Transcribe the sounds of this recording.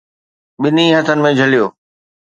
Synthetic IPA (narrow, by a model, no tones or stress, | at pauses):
ɓɪnĩɦɐt̪ʰənɪ̆mẽd͡ʑʱɐlijoː